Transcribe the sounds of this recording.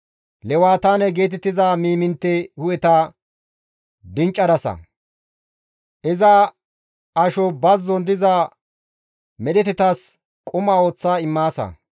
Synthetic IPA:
lɛwaːt̪aːnɛɡe̞ːt̪ɛt̪ːɪzaːmiːmɪnt̪ːɛhʊjɛt̪ɐ | d̪ɪnt͡ʃʼːɐd̪ɐsɐ̰ | ʔɪzɐ | ɐʃɔbɐzːɔnd̪ɪza | mɛɗɛt̪ɛt̪ɐs | kʼʊmaːo̞ːt͡sːaːɪmːaːsɐ̰

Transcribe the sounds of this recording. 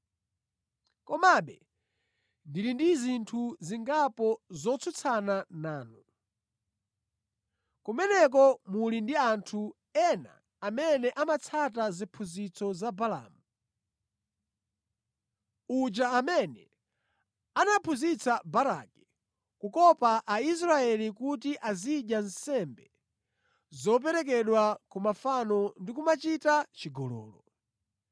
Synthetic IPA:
kɔmaɓɛ | ndiɾindizintʰuziŋɡapɔzɔt͡sʰut͡sʰananaːnu | kumɛnɛk̬ɔmulindiantʰu | ɛna̰ː | mɛnɛʔamat͡sʰat̬azipʰuzit͡sʰɔzabala̰ːmu | ud͡ʒaːmɛnɛ | anapʰuzit͡sʰabaɾa̰kɛ̥ | kukɔpaʔais̬ɾaɛlikutiʔaziɗjansɛmbɛ | zɔp̬ɛɾɛk̬ɛɗwakumafanɔndikumat͡ʃitat͡ʃiɡɔlɔ̰ːlɔ

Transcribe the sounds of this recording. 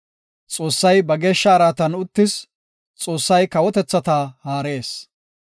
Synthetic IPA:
t͡sʼo̞ːsːɐjbɐɡe̞ːʃːɐːɾaːt̪ɐnʊt̪ːɪs | t͡sʼo̞ːsːɐjkɐwɔt̪ɛt͡sːɐt̪aːhaːɾe̞ːs

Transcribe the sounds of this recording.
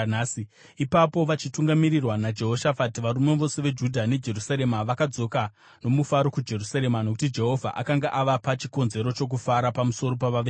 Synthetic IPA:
si | ipapo̞ʋat͡ʃituŋɡamirirwanad͡ʒe̞ɦoʃafatiʋaɾume̞ʋo̞se̞ʋe̞d͡ʒudʱane̞d͡ʒe̞rusaɾe̞maʋakad͡zo̞ka | no̞mufaɾo̞kud͡ʒe̞rusaɾe̞manok̬utid͡ʒe̞ɦo̞vʱa̰ʔa̰kaŋɡaʔaʋapat͡ʃiko̞nze̞ɾo̞t͡ʃo̞k̬ufaɾapamuso̞ɾo̞paʋaʋe

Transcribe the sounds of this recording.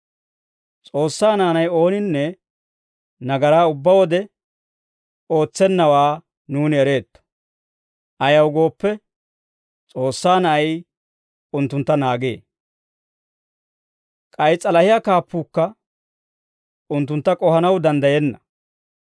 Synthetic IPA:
t͡sʼo̞ːsːaːnaːnɐjo̞ːnɪnːɛ | nɐɡɐɾaːʊbːɐwɔd̪ɛ | o̞ːt͡sːɛnːɐwaː | nuːnɛɾe̞ːt̪ːɔ̥ | ʔɐjɐwɡo̞ːpːɛ | t͡sʼo̞ːsːaːnɐʔɐj | ʊnt̪ːʊnt̪ːɐnaːɡḛː | kʼɐjt͡sʼːɐlɐhɪjaːkaːpːuːkːɐ | ʊnt̪̬ːʊnt̪ːɐkʼɔhɐnɐwd̪ɐnd̪ɐjɛnːɐ

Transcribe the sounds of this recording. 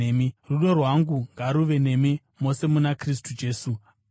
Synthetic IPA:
miruɗo̞rwaŋɡuŋɡaɾuʋe̞ne̞mi | mo̞se̞munakris̬tud͡ʒe̞ːsu

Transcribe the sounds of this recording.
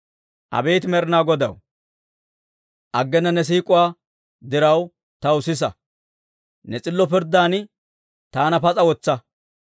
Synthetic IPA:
ʔɐ̰beːt̪mɛɾɪnaːɡɔd̪ɐw | ʔɐɡːɛnːɐnɛs̬iːkʼʊwaː | d̪ɪɾɐw | t̪ɐwʊsɪs̬ɐ | nɛt͡sʼɪlːɔpɪɾd̪aːnɪ | t̪aːnɐpɐt͡sʼɐwɔt͡sːɐ

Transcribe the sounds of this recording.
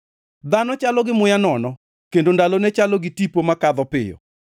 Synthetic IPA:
d̪anɔt͡ʃalɔɡɪmʊjanɔnɔ | kendondalonɛt͡ʃalɔɡɪtipomakaðɔpɪjɔ̰

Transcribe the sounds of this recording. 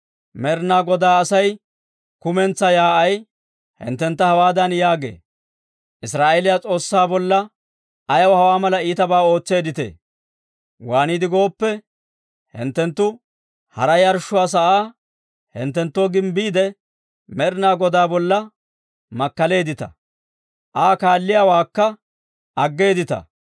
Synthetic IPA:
mɛɾnaːɡɔd̪aːɐsɐj | kʊmɛnt͡sːɐjaːɐj | hɪ̰nt̪ːɛnt̪ːɐhɐwaːd̪ɐnjaːɡḛː | ʔɪsɾaːʔelɪjat͡sʼo̞ːsːaːbɔlːɐ | ɐjɐwhɐwaːmɐlɐiːt̪ɐbaːo̞ːt͡sːe̞ːd̪ɪt̪ḛː | waːniːd̪ɪɡo̞ːpːɛ | hɪ̰nt̪ːɛnt̪ːʊ | hɐ̰ɾɐjɐɾʃːʊwaːs̬ɐʔaː | hɪ̰nt̪ːɛnt̪ːoːɡɪmbiːd̪ɛ | mɛɾɪnaːɡɔd̪aːbɔlːɐ | mɐkːɐle̞ːd̪ɪt̪ɐ̥̰ | ʔaːkaːlːɪjaːwaːkːɐ | ʔɐɡːe̞ːd̪ɪt̪ɐ̰

